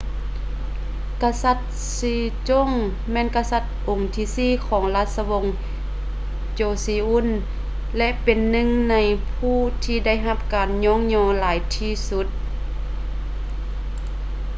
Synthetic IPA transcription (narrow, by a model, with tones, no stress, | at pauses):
ka˧sa˧˩t̪̚ | siː˧˩t͡ɕo˧˥˨ŋ | mɛː˧˥˨nka˧sa˧˩t̪̚ʔo˨˩ŋt̪ʰiː˧siː˧˥˨kʰɔː˩˦ŋlaː˧t̪̚sa˧wo˧˥ŋ | t͡ɕoː˧˩siː˧˦ʔu˧˥˨n | lɛ˧ʔpe˨nːɯ˧˨ŋna˧˥jpʰuː˧˩t̪ʰiː˧da˥˨jɦa˧p̚kaː˨˩nɲɔː˧˥˨ŋɲɔː˧laː˨˦jt̪ʰiː˧˩su˧˦˥t̪̚